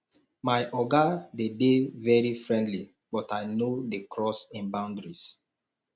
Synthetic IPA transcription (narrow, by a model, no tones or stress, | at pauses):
majʔɔɡadedevɛɹifɹɛ̃ndli | bɔtajnodekʰɹɔsĩnbãʊ̃ndɹis